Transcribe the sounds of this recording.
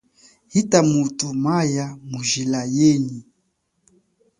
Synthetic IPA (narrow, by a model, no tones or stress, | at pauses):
hitamutumajamuʒilajɛni